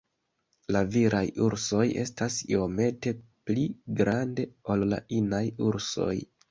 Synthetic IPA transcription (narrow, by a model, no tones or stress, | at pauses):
laviɾʔajuɾso̞je̞̰stasḭo̞me̞te̞pliɡɾande̞o̞lla̰ʔinajuɾso̞̰j